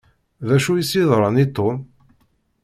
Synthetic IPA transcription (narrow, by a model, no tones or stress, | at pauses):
ðæʃujisiðˤɾˤɑnit̪ˤːon